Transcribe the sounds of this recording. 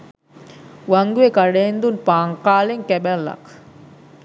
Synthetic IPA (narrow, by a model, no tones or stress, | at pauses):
ʋaŋɡuekaɽeːnd̪unpaːŋqaːleŋkɛbælːɐ̰k